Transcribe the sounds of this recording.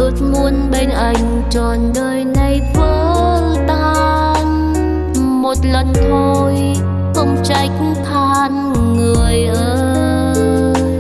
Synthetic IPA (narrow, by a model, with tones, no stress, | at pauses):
ʔəː˧t̪̚mu˧ənɓeː˧nʔa˧ŋ | t͡ɕɔː˧nɗəː˧jnɨ˧jfəː˧ | t̪ | aː | n | mo˧t̪̚lə˧nt̪ʰoː˧j | kɔ˧mt͡ɕa˧ɛk̚ | t̪ʰaː˧n | ŋɨ˧əjʔəː˧